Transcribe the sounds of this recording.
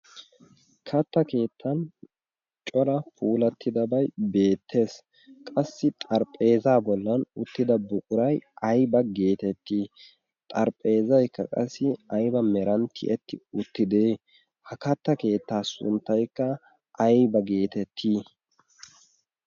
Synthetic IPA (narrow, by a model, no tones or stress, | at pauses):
kʰɐt̪ːɐke̞ːt̪ʰːɐn | t͡ʃʼɔɾɐpʰuːlɐt̪ʰːɪd̪ɐbɐjbe̞ːt̪ʰːe̞ːs | kʼɐsːɪt̪ʼɐɾpʼːe̞ːzaːbɔlːɐnʊt̪ːɪd̪ɐbʊkʼʊɾɐjɐjbɐɡe̞ːt̪ɛt̪ːiː | t̪ʼɐɾpʼe̞ːzɐjkːɐ̰kʼɐsːɪɐjbɐmɛɾɐnt̪ʰɪ̰ʔɛt̪ːɪʊt̪ːɪd̪eː | hɐkɐt̪ːɐke̞ːt̪ːaːsʊ̰nt̪ːɐjkːɐ | ʔːjbɐɡe̞ːt̪ɛt̪ʰːiː